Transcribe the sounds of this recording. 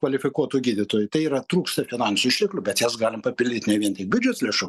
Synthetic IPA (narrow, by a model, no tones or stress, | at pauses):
kʋɐlʲɪfʲɪkuɔt̪uːɡʲiːd̪ʲɪt̪oːjʊt̪ɐɪiːɾɐt̪ɾuːkst̪ɐfʲɪnɑːnʲsʲʊɪʃʲt̪ʲɪklʲʊbʲɛt̪jɛsɡɑːlʲɪmpɐpʲɪlʲdʲɪt̪ʲnʲɛʋʲiɛnʲt̪ʲɪk̚bʲʊd͡ʒʲɛt̪slʲeːʃu